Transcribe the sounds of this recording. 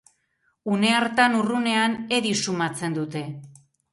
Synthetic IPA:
une̞aɾt̪anurune̞ane̞ðisumat͡se̞nd̪ut̪e̞

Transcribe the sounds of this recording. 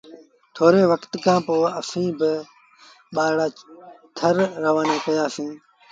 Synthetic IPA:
t̪ʰoːɾeːʋəkt̪kãːpoːəsĩːbɪ | ɓaːɽaː | t̪ʰəɾɾəʋaːneːkəjaːsĩː

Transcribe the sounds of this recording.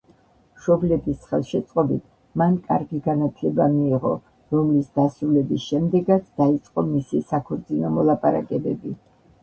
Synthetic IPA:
mʃɔblɛbisχɛ̰lˠʃɛt̪sʼqʼɔbit̪ʰ | mankʼa̰ɾɡiɡanat̪ʰlɛbamiːʁɔ̰ | ɾɔmlisd̪asɾulɛbisʃɛmd̪ɛɡat̪sʰd̪̥ait̪sʼqʼɔmisisakʰɔɾt̪zʼinɔmɔlˠapʼaɾa̰kʼɛbɛbi

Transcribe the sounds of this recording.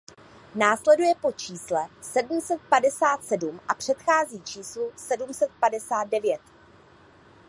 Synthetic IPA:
naːslɛdujɛpo̞t͡ʃiːslɛsɛdm̩sɛt̪̚padɛsaːt̪sɛdumʔapr̝̥ɛt̪xaːziːt͡ʃiːslusɛdumsɛt̪̚padɛsaːd̪̚dɛvjɛt̪

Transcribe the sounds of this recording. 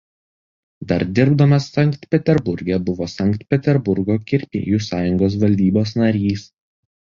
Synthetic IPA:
d̪ɐɾd̪ʲɪɾbd̪ɐmɐsːɐŋˑkt̪pʲɛt̪ʲɛɾbʊɾʲɡʲɛbʊʋoːsɐŋkt̪ʲpʲɛt̪ʲɛɾbʊɾɡoːkʲɪɾʲpʲḛːjuːsɑːjʊŋɡoːs̬ʋɐlʲd̪ʲiːboːsnɐɾʲiːs

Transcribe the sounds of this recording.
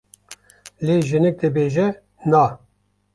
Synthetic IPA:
leːʒɪnɪk̚d̪ɛbeːʒɛ | na

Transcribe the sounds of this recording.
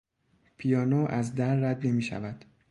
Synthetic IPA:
pʰijɒːnoːʔæzd̪æɾːæd̪ne̞miːʃæ̰væd̪̥

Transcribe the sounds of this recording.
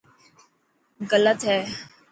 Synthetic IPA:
ɣələt̪ɦɛː

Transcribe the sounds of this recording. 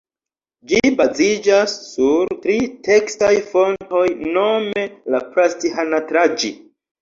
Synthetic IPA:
d͡ʒibazid͡ʒasːuɾtɾite̞kstajfo̞nto̞jno̞me̞lapɾastihanatɾad͡ʒḭ

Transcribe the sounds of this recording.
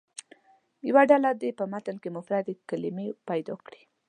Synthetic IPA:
jawaɖalad̪epəmat̪əlkemʊfɾɑd̪ekalɪmepajd̪ɔkɽi̥

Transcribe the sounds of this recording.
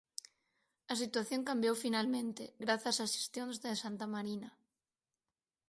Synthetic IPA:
ɐsit̪waθjoŋkambjowfinalmẽnt̪eɣɾaθasasi̥st̪jõnzðesant̪amaɾina

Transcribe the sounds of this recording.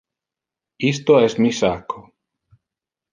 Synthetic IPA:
ist̪oɛsmisakʰo

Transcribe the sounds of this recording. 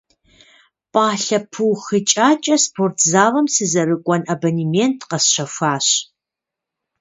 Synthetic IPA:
pʼaːɬɐpʰuwxɨt͡ʃʼaːt͡ʃʼɐspʰoːrtʰzaːʁɐmsɨzɐɾɨkʷʼɔnɐbɐnimentʰqɐsʃɐfʷaːɕ

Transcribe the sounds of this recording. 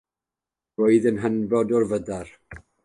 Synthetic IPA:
oɨðənɦənbɔdɔrvədar

